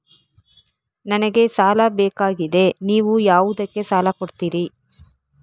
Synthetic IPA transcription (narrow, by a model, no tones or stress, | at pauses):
nɐnɐɡe̞saːlɐbɛːkaːɡid̪e̞niːʋujaːʋud̪ɐkːe̞saːlɐkoɽt̪iːɾi